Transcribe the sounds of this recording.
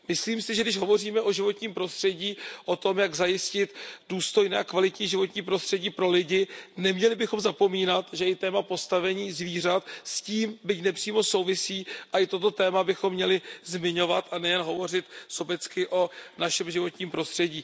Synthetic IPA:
mɪsliːmsɪʒɛɡdɪʃɦo̞vo̞riːmɛʔo̞ʒɪvo̞t̪ɲiːmpɾo̞st̪r̥ɛɟiːʔo̞t̪o̞mjaɡzajɪscɪt̪duːst̪o̞jnɛːakvalɪt̪ɲiːʒɪvo̞t̪ɲiːpɾo̞st̪r̥ɛɟiːpɾo̞lɪɟɪnɛmɲɛlɪbɪxo̞mzapo̞miːnat̪ʒɛɪt̪ɛːmapo̞st̪avɛɲiːzviːr̝at̪sciːmbɪcnɛpr̝̥iːmo̞so̞wvɪsiːʔaʔɪt̪o̞t̪o̞t̪ɛːmabɪxomːɲɛlɪzmɪɲo̞vat̪ʔanɛjɛnɦo̞vo̞r̝ɪt̪sobɛt͡skɪʔo̞naʃɛmʒɪvo̞t̪ɲiːmpɾo̞st̪r̥ɛɟiː

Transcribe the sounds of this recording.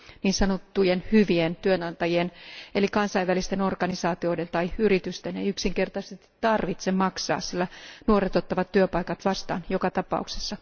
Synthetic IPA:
niːnsɑnot̪ːujenhyʋient̪yønɑnt̪ɑjienelikɑnsɑiʋælist̪eno̞rɡ̥ɑnisɑːt̪io̞ident̪ɑiyrit̪yst̪eneiyksiŋkert̪ɑse̥t̪ːi̥t̪ːɑrʋit̪semmɑksɑ̰ːssilːænuoret̪ot̪ːɑʋɑt̪tːyøpɑikɑt̪ʋɑst̪ɑ̰ːnjokɑt̪ɑpɑ̰ˑuksesːɑ

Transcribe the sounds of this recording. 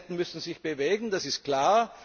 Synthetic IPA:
tn̩mʏsn̩zɪçb̥əveːɡŋ̩d̥asɪstkl̥aːɐ

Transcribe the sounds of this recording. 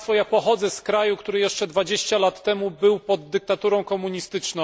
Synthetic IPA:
fɔjapɔxɔd̪zɛskɾajukt̪uɾɘjɛʂt͡ʂɛd̪vad͡ʑeɕt͡ɕalat̪ːɛmubɘwpɔd̪ːɘk̚t̪at̪uɾɔ̃w̃kɔmuɲist̪ɘt͡ʂnɔ̃

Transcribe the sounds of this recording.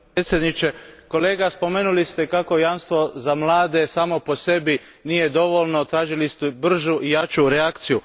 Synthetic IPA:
t̪sjed̪nit͡ʃe̞ko̞le̞ːɡaspo̞menulist̪e̞kako̞janst̪ʋo̞zamlˠaːd̪e̞saːmo̞po̞se̞bi | nije̞d̪o̞ʋo̞lno̞t̪ɾaːʒilist̪ubr̩ʒuʔijat͡ʃuɾeakt̪siju

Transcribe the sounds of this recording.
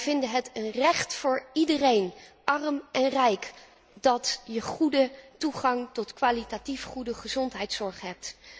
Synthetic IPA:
v̥ɪndəɦətənrɛχtfʊːɹidərejnʔɑrmɛnrɛjk | dɑtjəχudətuχɑŋtɔtkʋaːlitatifχudəχəzɔntɦɛjtsɔɹχɦɛp̚t

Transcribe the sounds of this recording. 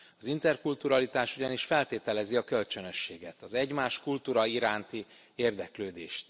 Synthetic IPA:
ɒzint̪ɛrkult̪uɾɒlit̪aːʃuɟɒniʃfɛlt̪eːt̪ɛlɛziɒkølt͡ʃønø̞ʃːeːɡɛt̪ɒzɛɟmaːʃkult̪uːɾɒiɾaːnt̪i | eːrd̪ɛkløːd̪ḛːʃt̪

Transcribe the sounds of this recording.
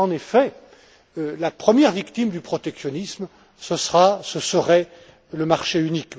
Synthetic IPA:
ɑ̃nefɛ | lapχəmjɛʁvikt̪imd̪ypχɔt̪ɛksjɔnism | səsəʁasəsəʁɛ | ləmaʁʃeynik

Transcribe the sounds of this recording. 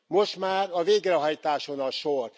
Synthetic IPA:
mo̞ʃt̪maːrɒveːɡrɛɦɒjt̪aːʃo̞nɒʃor

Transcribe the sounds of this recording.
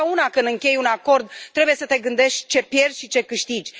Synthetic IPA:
aunakɨnd̪ɨŋkʲe̞junako̞rd̪̚t̪ːɾe̞buje̞sət̪e̞ɡɨnd̪e̞ʃt̪ʲt͡ʃe̞pje̞rsʲʃit͡ʃe̞kɨʃt̪id͡ʒʲ

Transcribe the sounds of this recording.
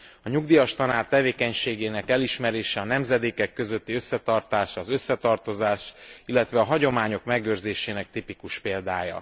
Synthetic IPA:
ɒɲuɡd̪iːjɒʃt̪ɒnaːrt̪ɛveːkɛɲʃeːɡeːnɛkɛliʃmɛɾeːʃɛɒnɛmzɛd̪eːkɛkːø̞zøt̪ːiø̞sːɛt̪ɒrt̪aːʃɒzø̞sːɛt̪ɒrt̪o̞zaːʃilːɛt̪ʋɛɒɦɒɟo̞maːɲo̞kmɛɡøːrzeːʃeːnɛk̚t̪ipikuʃpeːld̪aːjɒ̰

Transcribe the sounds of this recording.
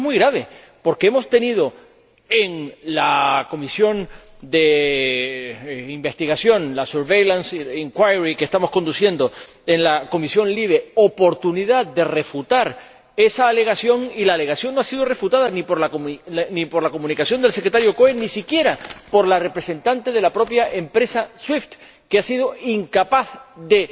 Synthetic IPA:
muijɣɾaβ̞e̞ | po̞ɾkee̞mo̞st̪e̞nið̞o̞ | e̞ŋlako̞misjo̞n | d̪e̞ | imbe̞st̪iɣasjo̞nlasuɾβe̞jlansiŋkwajɾikest̪amo̞sko̞nd̪usje̞nd̪o | enlako̞misjo̞nliβe̞opo̞ɾt̪uniðaðd̪e̞re̞fut̪aɾ | e̞saːle̞ɣ̞asjo̞ŋilaːle̞ɣasjo̞nːoasiðore̞fut̪aðanĩpo̞ɾlaknipoɾlako̞mũnikasjo̞nd̪e̞lsekɾet̪aɾjo̞koenisikje̞ɾapo̞ɾlare̞pɾe̞se̞nt̪ant̪e̞ðe̞lapɾo̞pjaʔe̞mpɾe̞saswift̪ | keasið̞o̞iŋkapaθðe̞

